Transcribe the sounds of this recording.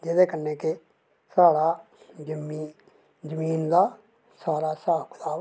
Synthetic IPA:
d͡ʒeːd̪eːkənːeːkɪ | saːɽaː | d͡ʒəmi | d͡ʒəmiːnd̪aː | saːɾaːsaːkʰd̪aː

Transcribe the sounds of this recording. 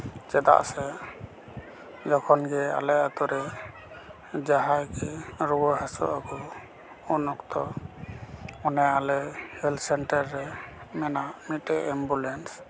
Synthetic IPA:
t͡ʃɛd̪a̰ʔsɛ | d͡ʒɔkʰɔnɡɛa̰lɛat̪ɔɾɛ | d͡ʒaɦajkiɾubɔhasɔ̰ʔakɔ | unɔkt̪ɔ | ɔnɛalɛhɛlsɛnʈɛɾːɛmɛnamitɛɛmbulɛns

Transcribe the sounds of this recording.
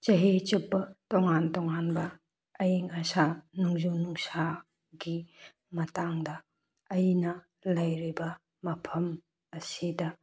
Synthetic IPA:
t͡ʃɐɦet͡ʃup̚bɐtoŋantɔŋanbɐ | ɐjiŋɐsanuŋzunuŋsa | ɡi | mɐtaŋdɐː | jinɐ | lɐjɾibɐ | mɐpʰɐm | ɐsidɐ

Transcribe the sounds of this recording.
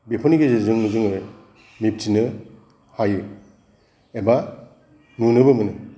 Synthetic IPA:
bepʰɔniɡezezɯŋzɯŋɯ | mip̚tʰinɯ | hajɯ | eba | nunɯbɯmɯnɯ

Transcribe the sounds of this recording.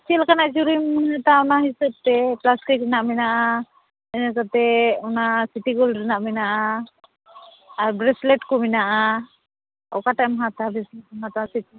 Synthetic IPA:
t͡ʃɛlkanaʔd͡ʒuɾimɦat̪aɔnaɦisəb̚t̪ɛplaskiɾɛnaʔmɛnaʔa | əɲɛkat̪ɛɔnasiʈiɡɔlɾinaʔmɛnaʔa | ɾbɾɛslɛʈkɔminaʔa | ɔ̰kaʈamɦat̪abɛsɛmat̪asiti

